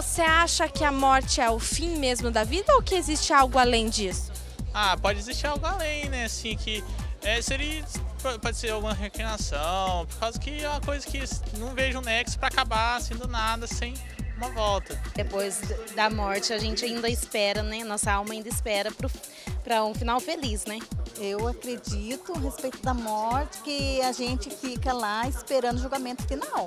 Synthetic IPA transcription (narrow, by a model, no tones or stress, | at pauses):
voseaʃɐkɪɐmɔɾt͡ʃɪɛʊfĩmezmʊd̪ɐvid̪ɐowkɪezist͡ʃɪawɡʊalẽj̃d͡ʒisʊ̥ | apɔd͡ʒɪezist͡ʃiɾawɡʊalẽj̃nɛasĩkʰɪɛseɾiɐpopɔd͡ʒɪseɾawɡũmɐɦeklĩnasɐ̃w̃poɾkawzʊkɪumɐkojzɐkɪnɐ̃w̃veʒɐ̃ũnɛksʊ̥pɾɐakabasẽnd̪ʊnad̪ɐsẽj̃ | ũmɐvɔwt̪ɐd̪epojzd̪ɐmɔɾt͡ʃɪaʒẽnt͡ʃɪaĩnd̪ɐɪspɛɾɐnɛnɔsɐawmɐaĩnd̪ɐɪspɛɾɐpɾʊ | pɾɐũfinawfelisnɛewakɾed͡ʒit̪ʊɦespejt̪ʊd̪ɐmɔɾt͡ʃɪ̥kɪaʒẽnt͡ʃɪfikɐlaɪspeɾɐ̃nd̪ʊʒoɡamẽnt̪ʊ̥finaw